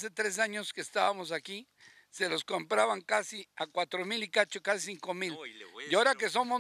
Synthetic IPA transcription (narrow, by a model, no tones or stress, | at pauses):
se̞t̪ɾe̞s̬aɲo̞skeːst̪aβamo̞s̬aki | se̞lo̞sko̞mpɾaβaŋkasiakwat̪ɾomilikat͡ʃokasisiŋko̞miljaoɾakesomo